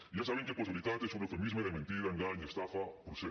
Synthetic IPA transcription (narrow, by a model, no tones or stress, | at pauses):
ʝasaβeŋkeposiβilit̪at̪esunɾofemizmeðemẽnt̪iɾaeŋɡaɲest̪afapɾuse